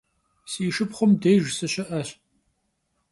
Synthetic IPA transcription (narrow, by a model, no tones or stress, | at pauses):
siːʂɨpχʷʊmdejʒsɨɕɪʔɐɕ